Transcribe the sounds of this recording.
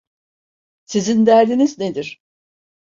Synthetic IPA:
sizind̪æɾd̪inizne̞d̪iɾ̥

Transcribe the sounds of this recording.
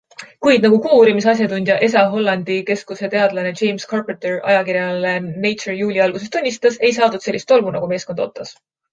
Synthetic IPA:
kujd̪̚nɑɡukuːɾimisɑs̬ʲjɑt̪unʲd̪̥jɑʔe̞s̬ɑɦo̞lːɑnd̪̥ike̞skuse̞t̪e̞ɑd̪lɑne̞t͡ʃe̞jmskɑrpet̪erɑ̰jɑkiɾjɑlene̞jerjuːlʲiɑlɡus̬e̞st̪unʲːist̪ɑse̞jsɑːd̪ud̪se̞lːist̪o̞lvunɑ̰ɡ̥ume̞ːsko̞nd̪o̞t̪ːˑɑs

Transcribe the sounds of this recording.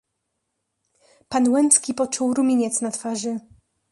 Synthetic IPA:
panwɛnt̪skʲipɔt͡ʂuwɾumʲiɲɛt̪snat̪faʐɘ

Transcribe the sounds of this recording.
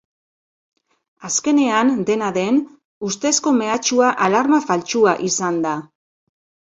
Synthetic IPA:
aske̞ne̞and̪e̞naðe̞n | ust̪e̞sko̞me̞at͡ʃuaʔalaɾmafalt͡ʃuaʔisand̪a

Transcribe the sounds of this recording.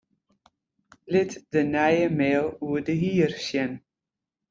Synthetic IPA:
lɪtdənɛjəmɛːlˠuədəɦiːrsjɛn

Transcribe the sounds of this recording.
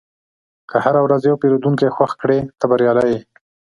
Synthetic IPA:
kəhaɾawɾazjawpeɾod̪uŋkejxwaxkɽet̪abaɾjɑlaje

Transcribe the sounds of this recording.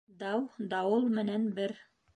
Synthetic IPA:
d̪ɑwd̪ɑwɤlˠmɘ̆nænbɘɾ

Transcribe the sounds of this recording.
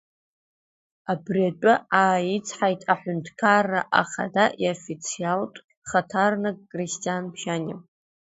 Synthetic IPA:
abriatʼʊaːjit͡sʰħajtʼaħʷᶣʊntʰkʰarːaʔa̰χa̰daʔiofit͡sʰialtʷʼ | χatʰarnɨkʼkʼristʼijanpʰʃanʲɪ

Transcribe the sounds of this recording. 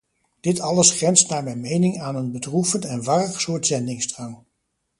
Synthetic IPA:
d̥ɪtɑləsχrɛnstnaːɹmɛjnmejnɪŋaːnənbədrufəntɛnʋɑrəχsʊːɹtzɛndɪŋsdrɑŋ

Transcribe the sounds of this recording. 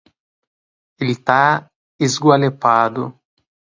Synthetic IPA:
elɪt̪a | izɡwalepad̪ʊ

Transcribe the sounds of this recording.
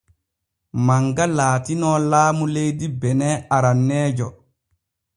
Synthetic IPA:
maŋɡalaːtinɔːlaːmulejdibɛnɛaɾanːɛːd͡ʒɔ

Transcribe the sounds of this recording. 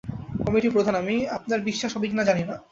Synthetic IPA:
kɔmiʈipɾod̪ʱanamiap̚naɾbiʃːaʃɔbʱiknad͡ʑanina

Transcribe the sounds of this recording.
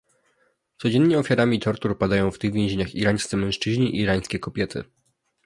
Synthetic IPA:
t̪sɔd͡ʑɛnːɲɛɔfʲjaɾamʲit̪ɔɾt̪uɾpad̪ajɔ̃w̃ft̪ɘɣvʲjɛ̃ʑeɲaxiɾaj̃st̪sɛmɛ̃w̃ʂt͡ʂɘʑɲiʔiːɾaj̃skʲɛkɔbʲjɛt̪ʰɘ̰

